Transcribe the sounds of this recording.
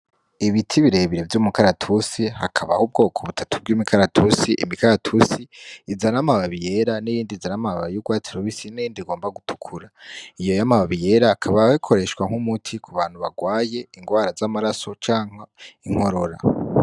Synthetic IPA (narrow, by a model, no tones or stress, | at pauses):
iβitʰiβiɾe̞βiɾe̞vjuːmukaɾatʰusihakʰaβahub̚ɡo̞ːkʰoβutʰatʰub̚ɡuːmikʰaɾatʰusiʔḭmikaɾatʰusiːzanamaβaβije̞ɾanijiːndizanamaβaβajuɡwaːt͡siɾoβisinijiːndiɡo̞ːmbaɡutʰu̥kʰuɾaijo̞jamaβaβije̞ːɾaːkʰaβawekʰo̞ɾe̞ʃkwaŋ̥umutʰikʰuβaːn̥huβaɡwaːje̞iŋɡwaːɾazamaɾaso̞t͡ʃaːŋ̥aiŋ̥ho̞ɾo̞ɾa̰